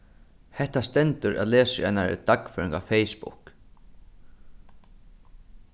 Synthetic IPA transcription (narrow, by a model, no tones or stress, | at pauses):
hɛht̪ast̪ɛnt̪ʏɾʔæ̰ðlɛːsa̰jnaɾ̰t̪akfœːɾɪŋkafɛjspʊ̰k